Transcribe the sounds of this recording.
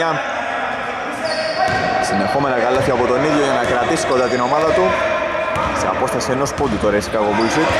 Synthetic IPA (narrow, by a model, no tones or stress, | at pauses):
a | simepomenaɣalːoθjapot̪oniðjojenakɾat̪iskoðeat̪inomaðɐt̪u | sea̰post̪asenospod̪it̪oɾeskaɣoβulsik̪